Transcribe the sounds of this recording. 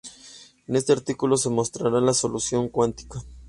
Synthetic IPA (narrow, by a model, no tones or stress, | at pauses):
ene̞st̪e̞aɾt̪ikulo̞s̬e̞mo̞st̪ɾaɾalaso̞lusjo̞ŋkwant̪i̥ka